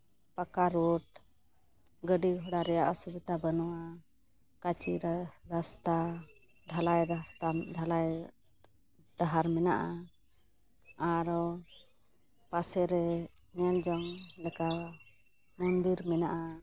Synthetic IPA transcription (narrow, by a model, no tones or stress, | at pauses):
pakaɾɔʈ̚ | ɡəɖiɦɔɽaɾɛjaʔasubit̪abənɔwa | kat͡ʃiɾast̪a | d̪ʱalajt̪ad̪alaj | d̪̥aɦaɾmɛna̰ʔa | aɾɔ | pasɛɾɛ | nɛld͡ʒɔŋlɛka | mɔnd̪iɾmɛnaʔa